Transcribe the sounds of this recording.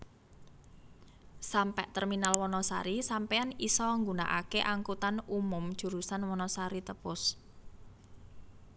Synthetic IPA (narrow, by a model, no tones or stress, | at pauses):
sampɛʔt̪ərminalwɔnɔsa̰ɾisampeanisɔŋɡuna̰ʔa̰keʔaŋkut̪anumʊmd̥ʒ̥ṳɾusanwɔnɔsaɾit̪əpʊs